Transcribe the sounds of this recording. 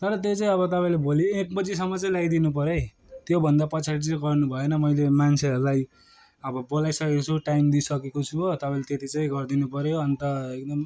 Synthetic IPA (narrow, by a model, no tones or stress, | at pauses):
t̪ʌɾʌt̪̬jot͡saĩʌβʌt̪ʌpaĩlebʱoljoekbʌd͡zis̬ʌmːʌt͡saĩlaɡid̪inup̬ʌɾe | t̪jobʱʌnd̪apʌt͡sʰaɾit͡saĩɡʌrnubʱʌenʌmʌjlemant͡sʰeɦʌɾulaj | ʌbʌbolajsʌkekot͡sʰuʈajmd̪isʌkekot͡sʰuot̪ʌpaĩlet̪et̪ʰit͡saĩɡʌrd̪inupʌɾjoʌnt̪ʌek̚d̪ʌm